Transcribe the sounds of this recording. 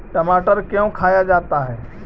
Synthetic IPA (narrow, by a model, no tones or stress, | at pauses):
ʈɐmaːʈəɾkeõkʰaːjad͡ʒaːt̪aɦɛː